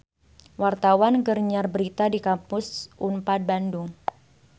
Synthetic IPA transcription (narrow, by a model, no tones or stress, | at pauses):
wart̪awanɡərɲarbəɾit̪adikapʊsʔumpat̪̚bandʊŋ